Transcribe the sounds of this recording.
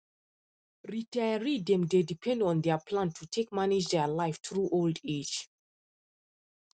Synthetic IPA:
ɹitʰajəɹidɛ̃mdedipʰɛ̃ndɔ̃ndɛpʰlãntʰutʰekmanid͡ʒdɛlaɪftɹuʔolded͡ʒ

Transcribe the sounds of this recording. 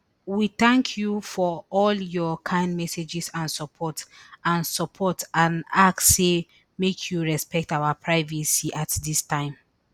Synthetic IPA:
wiθãŋkʰjufɔɔljɔkʰãɪ̃ndmɛsed͡ʒisãnsɔpʰɔtãnsɔpʰɔtãnakːe | mekʰjuɹɛspɛk̚tawapʰɹaɪvisiʔatdistʰãɪ̃m

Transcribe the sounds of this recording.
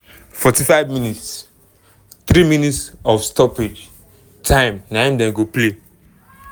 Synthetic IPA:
fɔtifaɪvminits | θɾimĩnitsɔfstɔped͡ʒ | tʰãɪ̃mnãmdɛ̃mɡople

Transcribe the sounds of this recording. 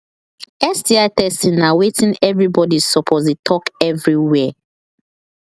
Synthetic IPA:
ɛstiatɛstĩnawetĩnɛvɹibɔdisɔpʰɔzitʰɔkɛvɹiwɛ

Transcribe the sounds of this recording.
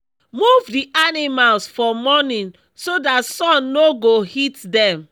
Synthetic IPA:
muvdiʔanimalsfɔmɔnĩn | sodatsɔ̃nːoɡohitdɛ̃m

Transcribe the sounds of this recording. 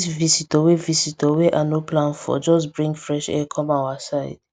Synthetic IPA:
svisitɔwevisitɔwɛʔanoplãnfɔ̰d͡ʒɔs̬bɹĩŋɡfɹɛʃɛ̰kʰɔ̃mawasaɪd̥

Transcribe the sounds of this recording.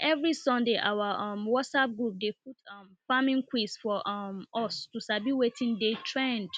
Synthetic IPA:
ʔɛvɹisɔ̃ndeʔa̰waʔɔmwɔtsap̚ɡɹup̚dep̚utɔmfamĩŋkwisfɔʔmʔɔstusabiwetʰĩndetʰɹɛ̃nd

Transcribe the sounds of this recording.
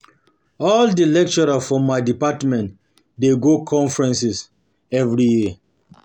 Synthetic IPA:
ɔldəlɛk̚t͡ʃɔɹafɹɔ̃mːaɪdipatmɛ̃nt | deɡokʰɔ̃ɱfɹɛ̃nsis | ɛvɹiji

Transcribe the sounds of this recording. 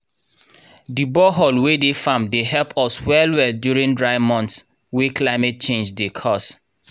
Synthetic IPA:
dibɔɦɔlwedefãmdeɦɛlpʰɔswɛlwɛldjuɹĩŋdɹaɪmɔ̃nts | weklaɪmɛt̚t͡ʃẽnd͡ʒdekʰɔs

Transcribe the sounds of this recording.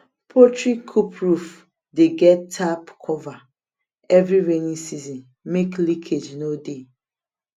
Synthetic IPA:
pʰɔtɹikʰːupʰɹuf | deɡɛtʰːapkʰɔva | ɛvɹiɹenĩsizɔ̃n | meklikʰed͡ʒnode

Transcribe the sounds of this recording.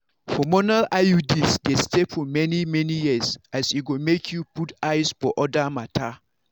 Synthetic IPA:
fɔmɔnalajudisɡɛtstepfɔmɛnimɛnijisasiɡomekʰjuputaɪsfɔʔɔdamatʰa

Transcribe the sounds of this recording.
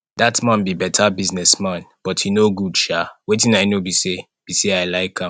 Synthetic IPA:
datmãnbibɛtʰabiznɛsmãnb̥ɔthinoɡudʃawetĩnaɪnobise | b̥isiaɪlaɪkʰãm

